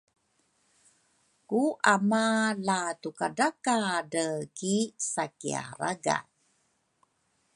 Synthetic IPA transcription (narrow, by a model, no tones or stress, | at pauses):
kuʔamalatukadakadəkisakḭa̰ɾaɡa̰